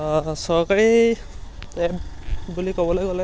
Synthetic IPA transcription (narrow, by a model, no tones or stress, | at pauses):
sɔɹkaɹi | tɛp̚bulikɔbɔlajɡɔlɛ